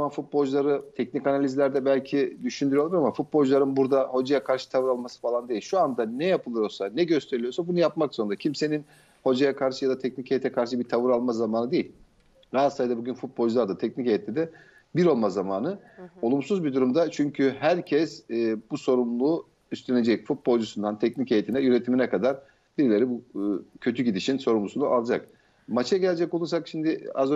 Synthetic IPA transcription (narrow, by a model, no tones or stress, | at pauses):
manfut̪̚bo̞lʲd͡ʒlˠaɾɯt̪ʰɛcnicanalʲizlʲæɾd̪ɛbælʲcʰid̪yʃynd̪yɾyjoaɾamafut̪̚bo̞ld͡ʒlˠaɾɯnbuɾd̪aho̞d͡ʒajakʰaɾʃɯ̥t̪ʰavɯɾalˠmasɯ̥falˠand̪e̞ilʲʃuand̪anɛjapʰɯlˠɯɾo̞lˠsanɛɟø̞st̪ʰeɾilʲijo̞ɾsabunujapmakso̞nɾacʰimse̞nin | ho̞d͡ʒajakʰaɾʃɯjad̪at̪ʰɛc̚nicejet̪ʰɛkʰaɾʃ̬ɯbiɾt̪ʰavɯɾalˠmazamaːnɯd̪e̞jilʲ | ɾaat̪sajd̪abuɟʲynfut̪̚bo̞lʒlˠaɾd̪at̪ʰɛcnicejɛt̪ːʲɛd̪ɛ | biɾo̞lˠmazamaːnɯ | o̞lˠumsuzbid̪uɾumd̪at͡ʃʰyɲcʰyɦæɾcʰɛsbuso̞ɾumlˠuː | yst̪lene̞d͡ʒɛcfut̪̚bolʲˠd͡ʒusund̪ant̪ʰɛc̚nicejet̪ʰinɛjyɾe̞t̪ʰiminɛkad̪aɾ | b̥iɾlʲe̞ɾibucʰø̞t̪ʰyɟid̪iʃinso̞ɾumlˠusunuʔalˠd͡ʒa̰k | mat͡ʃʰaɟɛlʲed͡ʒɛco̞lˠuɾsakʃimd̪ɪazø